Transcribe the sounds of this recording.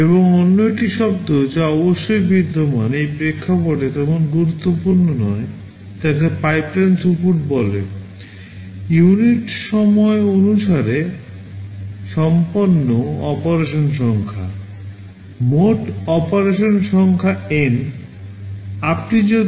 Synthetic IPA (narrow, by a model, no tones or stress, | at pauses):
eβoŋonːojʈiʃɔb̚t̪od͡ʑaɔboʃːojbʱid̪ʱːomanejpɾekʰːapoʈet̪ɛmonɡuɾut̪ːopuɾnonɔe | t̪ɛkepajplansupuʈbɔle | juniʈʃɔmɔeonuʃaɾe | ʃɔmponːoɔpoɾeʃonʃɔŋkʰa̰ | moʈɔpoɾeʃonʃɔŋkʰaen | apnid͡ʑo